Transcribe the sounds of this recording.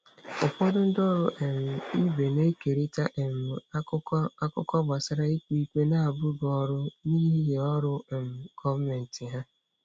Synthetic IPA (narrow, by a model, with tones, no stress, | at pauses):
ʊ˨pɔ˦dʊ˦n̩˦dɔ˦ɾʊ˦ʔe˨m̩˨i˦be˨ne˦ke˨ɾi˦ta˦ʔe˨m˨˦a˦kʊ˦kɔ˦ɡ͡ba˨sa˦ɾa˦i˦ki˦kʷe˦na˦a˨bʊ˦ɡɔ˦ɾʊ˦niː˦ɦi˦je˨ɔ˦ɾʊ˦˨m̩˨kʰɔ˦me˨n̩˨tɪ˨ɦa˦